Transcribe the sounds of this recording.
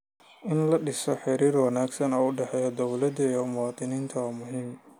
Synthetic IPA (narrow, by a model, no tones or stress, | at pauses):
ʔɪnlɐɖɪsɔħɪɾiːrwɐnaːɡsɐnɔːʊɖɛħɛːjɔd̪ɔwlɐd̪ɐɔmuːt̪ʼɪniːnt̪ʰɐwmʊɦiːm